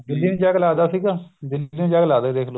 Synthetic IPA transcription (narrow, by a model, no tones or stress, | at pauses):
d̪ɪlːiːnːd͡ʒaɡlaːd̪aːsiːɡaːd̪ɪlːiːnẽːd͡ʒaːɡlaːd̪eːd̪eːkʰloː